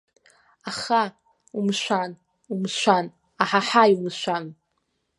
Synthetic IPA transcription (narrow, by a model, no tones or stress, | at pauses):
aχa | umʃʷan | umʃʷan | aħaħajumʃʷan